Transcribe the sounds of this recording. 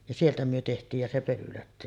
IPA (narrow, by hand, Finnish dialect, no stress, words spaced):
jɑ sieltæ myø tehtˑiːj jɑ se pølylæ